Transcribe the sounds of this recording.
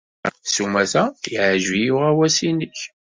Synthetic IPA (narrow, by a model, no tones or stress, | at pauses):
sumæθæiʕʒijʊʁæwæsinəç